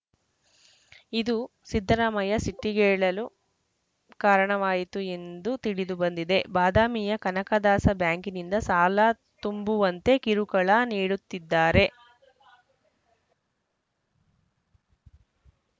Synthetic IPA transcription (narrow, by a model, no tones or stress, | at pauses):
id̪u | sid̪ʱːɐɾaːmɐjɐsiʈːiɡɛːɭɐlu | kaːɾɐɳɐʋaːjit̪ue̞nd̪ut̪iɽid̪ubɐnd̪id̪e̞baːd̪aːmijɐkɐnɐkɐd̪aːsɐbjaːŋkinind̪ɐsaːlaː | t̪umbuʋɐnt̪e̞kiɾukɐɭaniːɽut̪ːid̪ːaːɾe̞